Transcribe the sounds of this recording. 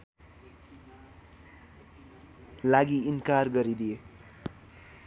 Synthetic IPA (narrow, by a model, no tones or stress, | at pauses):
laɡiinkarɡʌɾid̪ije